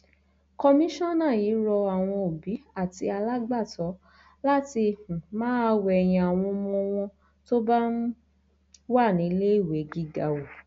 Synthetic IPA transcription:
kɔ˧mĩ˦ʃɔ̃˦˨nã˦˨jiː˨˦ɾɔ˧a˨w̃ɔ̃˧o˨bi˨˦a˦˨ti˧˦a˧la˦ɡ͡ba˦˨tɔ˨˦ | la˦ti˧˨hũ˨mãː˦˧˦wɛ˨˧˨j̃ĩ˧a˨w̃ɔ̃˧mɔ̃˧w̃ɔ̃˧ | to˦ba˦n̩˦ | wa˦˨nĩ˨˦le˦i˦˨we˨˦ɡi˦ɡa˧wo˨

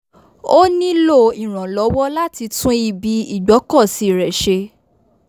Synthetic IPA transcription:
o˦nĩ˦lo˦˨i˨ɾ̃ã˨lɔ˨˦wɔ˦la˦ti˧tũ˦i˦˧˨bi˨˦i˦˨ɡ͡bɔ˨˦kɔ˦˨si˨˦˨ɾɛ˨ʃe˧

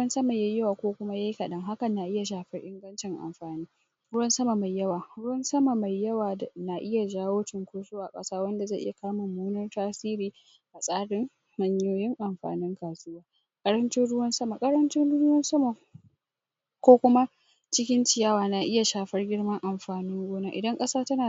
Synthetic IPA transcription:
ɽʊ˦ɐ˦nsɐ˦ma˨ja˦jɐ˦waː˨kʷoː˦kʷʊ˦ma˦ja˦ji˦kɐ˨ɗɐ˦ŋɦa˦kɐ˨nːa˨ʔɪ˦ja˨ʃaː˨ɸɐ˦rʔɪ˦ŋɡɐ˦nt͡ʃɪ˨ŋʔa̰˨mɸaː˨niː˦ | ɾʊ˦wɐ˦nsɐ˦ma˨ma˨jːɐ˦waː˨ɽʊ˦wɐ˦nsɐ˦ma˨ma˨jjɐ˦waː˨da˨na˨ʔɪ˦ja˨d͡ʒaː˦woː˦tɪ˨ŋkʷoː˦sʼoː˦wa˨kʼɐ̰˦saː˦wɐ˦nda˨za˦˨ʔɪ̰˦ja˨kaː˦mʊ˨mːuː˦nɐ˦rtaː˦siː˦ɾiː˨ | ʔa˨sʼaː˦ɽɪ˦ŋ | mɐ˨ɲjoː˦jɪ˦ŋʔa˨mɸa̰ː˨nɪ˦ŋkaː˨sʊ˦waː˦ | kʼɐ˦ɾɐ˦nt͡ʃɪ˦nɽʊ˦wɐ˦nsɐ˦ma˨kʼɐ˦ɾɐ˦nt͡ʃɪ˦nɽɽʊ˦wɐ˦nsɐ˦ma˨ | kʷoː˦kʷʊ˦ma˦ | t͡ʃɪ˦kʲɪ˦nt͡ʃɪ˨jaː˦waː˨na˨ʔɪ˦ja˨ʃaː˨ɸɐ˦rɡʲɪ˦ɽmɐ˦ŋʔa˨mɸaː˨nɪ˦ŋɡoː˦naː˦ʔɪ˨dɐ˦ŋkʼɐ˦saː˦tɐ˦naː˨

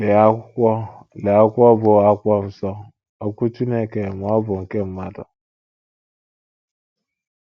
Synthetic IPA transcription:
le˨a˦kʷɔ˦le˨a˦kʷɔ˦bʊ˨a˦kʷɔ˦n̩˨sɔ˦ | o˦kʷu˦tu˦ne˦˨ke˨m˨ɔ˦bʊ˨ŋ̩˨ke˦m̩˦ma˦dɔ̰˨

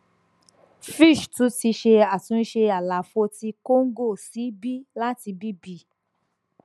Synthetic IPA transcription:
fi˦˨ʃtũ˨˦ti˧ʃe˧a˨tũ˨˦n̩˦ʃe˧a˨la˨fo˧ti˧ko˦ŋ̩˦ɡo˦˨si˨˦bi˦la˦ti˧bi˦bi˧˦

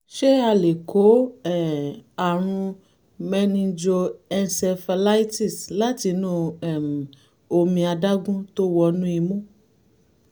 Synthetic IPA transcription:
ʃe˦a˧le˨kʰo˨˦ɛ˦˨a˨ɾ̃ũ˧ | mɛ˦nĩ˧d͡ʒo˧ɛ˧nsɛ˧fa˧la˦i˦ti˦˨sla˦ti˧nũ˦ɛ˨m˨ | o˧mĩ˧a˧da˦ɡũ˦to˦wɔ˧nũ˦i˧mõ˦

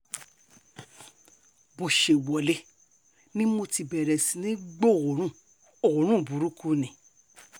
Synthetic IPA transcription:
bo˨ʃe˨wɔ˨le˨˧ | nĩ˦mo˧ti˧bɛ˨ɾɛ˨si˨˦nĩ˦ɡ͡bo˦˨o˨ɾ̃ũ˦˨ | o˨o˨ɾ̃ũ˦˨bu˨˦ɾu˦ku˦nĩ˨

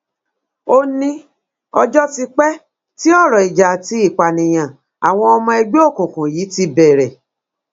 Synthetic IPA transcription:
o˦nĩ˧ | ɔ˧d͡ʒɔ˦ti˧k͡pɛ˦ | ti˦ɔ˦˨ɾɔ˨i˨d͡ʒa˨ti˧˦i˦˨k͡pa˨nĩ˨j̃ã˨ | a˨w̃ɔ̃˧ɔ˧mɔ̃˧e˧ɡ͡bu˦o˦˨kũ˨kũ˨ji˨˦ti˧bɛ˨ɾɛ˨

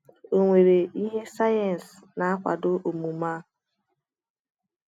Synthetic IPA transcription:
o˨ŋʷe˨ɾe˨i˦ɦe˦sa˦ja˨n̩˨s | na˨a˦kʷa̰˨dʊ˦ʔo˨mu˨ma˦

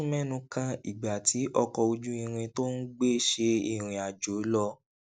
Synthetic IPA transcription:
mɛ˦nũ˧kã˧ḭ˨ɡ͡ba˨ti˨˦ʔɔ˧kɔ˧o˧d͡ʒu˦ĩ˧ɾ̃ĩ˧to˦n̩˦ɡ͡be˦˨ʃe˧ḭ˦˧˨ɾ̃ĩ˨a˨d͡ʒo˨˦lɔ˧

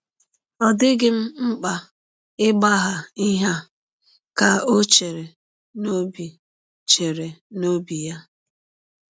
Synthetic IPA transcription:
ɔ˨dɪ˦ɡɪ˦m̩˦ŋ͡m̩˦k͡pa˨ | ɪ˦ɡ͡ba˦ɦa˨i˦ɦa˦ | ka˨o˦t͡ʃe˨ɾe˨ | no˦bi˨ | t͡ʃe˨ɾe˨no˦bi˨ja˦

